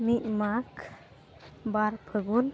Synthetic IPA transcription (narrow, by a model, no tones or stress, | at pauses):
miʔmakʰ | baɾpʰəɡul